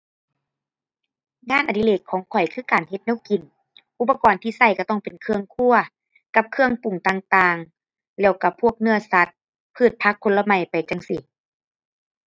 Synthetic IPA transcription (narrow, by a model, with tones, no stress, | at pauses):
ŋaː˧˥˨nʔa˨t̪i˧leː˧˩t̪̚kʰɔː˨˦ŋkʰɔ˨˩jkʰɯː˧˩˨kaː˨˩nhe˧t̪̚nɛː˧˥˨wki˨˩n | ʔu˧˥pːa˧kɔː˨˩nt̪ʰiː˧sa˧˩jka˧˩t̪ɔ˧˥˩ŋpe˨nkʰɯ˧əŋkʰu˧˩ɐ | ka˧˥p̚kʰɯ˧əŋpu˨˩ŋt̪aː˧ŋt̪aː˧ŋ | lɛː˧˩wka˧˩pʰu˥˩ək̚nɯ˧˩ɐsa˧˦t̪̚ | pʰɯː˧˩t̪̚pʰa˧˥kʰːo˧nla˧ma˧˩jpa˨˩jt͡ɕa˧˥ŋsi˧